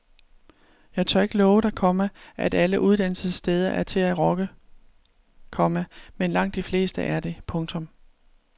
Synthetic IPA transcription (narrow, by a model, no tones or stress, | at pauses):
jɑ̈ɪt͡sʰɒɐe̝ɡ̥əlɒːʊəd̥ɑ̈kʰɒ̽məʔæd̥æləʔuð̞ˠd̥æn̰səð̩ˠsːd̥eːð̞ˠɐʔæɐt͡sʰe̝æʁɒ̽ɡ̥ə | kʰɒ̽məmenlɑ̈ŋ̰d̥ifle̝̰ːsd̥əʔæɐd̥e̝pʰɔ̽ŋt͡sʰɔ̽m